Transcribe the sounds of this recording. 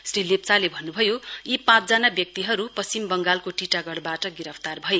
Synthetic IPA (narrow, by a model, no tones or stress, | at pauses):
srilep̚t͡salebʱʌnːubʱʌjojipãt͡sd͡zanabjʌk̚t̪iɦʌɾupʌst͡simbʌŋɡalkoʈiʈaɡʌɽbaʈʌɡiɾʌpʰt̪arbʱʌe